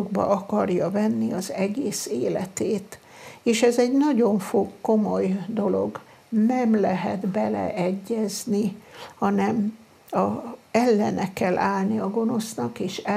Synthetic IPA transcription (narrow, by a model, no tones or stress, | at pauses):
uɡbɒ̰ʔɒkɒrjɒvɛnːiɒzɛɡeːseːlɛt̪eːt̪ | eːʃɛzɛɟnɒɟo̞ɱfokːo̞mo̞jd̪o̞lo̞̰ɡ | nɛmlɛɦɛd̪bɛlɛ̰ʔɛɟːɛznihɒnɛm | ɒɛlːɛnɛkːɛlːʔaːlniɒɡo̞no̞snɒkeːʃɛ